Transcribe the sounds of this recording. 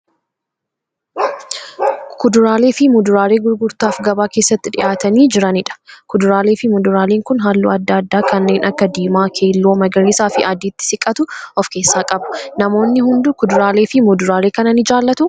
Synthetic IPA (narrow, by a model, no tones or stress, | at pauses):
kʊd̪ʊɾaːleːfɪmʊd̪ʊɾaːɾe̞ːɡʊɾɡʊɾt̪aːfɡɐbaːke̞ːsːɐt̪ːɪᶑɪ̰ʔaːt̪ɐniːd͡ʒɪɾɐnɪᶑɐ̥kʊd̪ʊɾaːleːfɪmʊd̪ʊɾaːleːŋkʊnɦaːlːṵːɐd̪ːaɐd̪ːaːkɐnːe̞ːnʔɐkːɐd̪iːmaːkʰe̞ːlːoːmɐɡɐɾiːsaːfɪʔɐd̪iːt̪ːɪ̥sɪkʼːɐt̪ʊʔɔfke̞ːsːaːkʼɐbʊ̥nɐmo̞ːnːɪhʊnd̪ʊkʊd̪ʊɾaːleːfɪmʊd̪ʊɾaːɾeːkɐnɐnɪd͡ʒaːlːɐt̪ʊ